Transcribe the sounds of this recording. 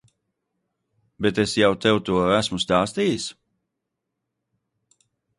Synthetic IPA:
bet̪esjawt̪ɛwt̪uɔæsmust̪aːst̪iːjs

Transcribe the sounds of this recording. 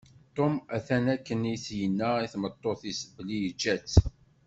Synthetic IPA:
t̪ˤomæθænækːənijθjənːæiθmət̪ˤːoθisəblijd͡ʒːæt͡sː

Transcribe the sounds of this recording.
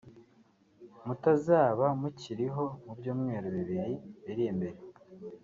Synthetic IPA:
mutazaːβamuciɾiɦo̞mubjuːmŋe̞ːɾoβiβiɾiβiɾijembe̞ɾe

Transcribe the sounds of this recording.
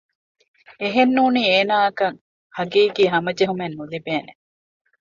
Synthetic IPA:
eɦenːuːniːeːnaːɐkɐŋ | hɐɡiːɡiːɦɐmɐd͡ʒeɦumenːulibeːne

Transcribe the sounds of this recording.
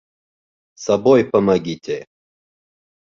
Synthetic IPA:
sɐbojpəmɐɡit̪ʲʰe

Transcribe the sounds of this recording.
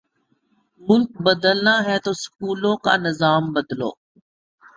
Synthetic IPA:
mʊlk̚bəd̪əlnaːɦɛːt̪oːskuːlõːka̰ːnɪzaːmbəd̪lo̰ː

